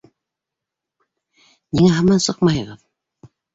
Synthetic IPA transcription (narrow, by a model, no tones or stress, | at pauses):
niŋæɦɑmɑnsɤqmɑjɤ̆ʁɤð